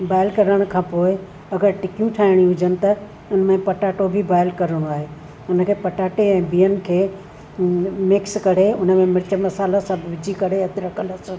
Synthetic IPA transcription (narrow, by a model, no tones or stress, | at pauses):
baːɪlkɐɾəɽ̃kʰãːpoːɪ | ɐɡəɾʈɪkijũʈʰaːɪɽ̃iʊd͡ʑənɪ̆t̪ɐ | ʊnə̆mẽpɐʈaːʈobʱɪbaːɪlkɐɾəɽ̃oaːɦeː | ʊnə̆kʰeːpɐʈaːʈeɛ̃ːbiːənɪ̆kʰeː | mɪkskɐɽ̤eʊnə̆mẽmɪɾɪt͡ɕəmɐsaːlasãbʱʋɪd͡ʑʱikɐɽeɐd̪ɪɾɐkʰəlɐsʊ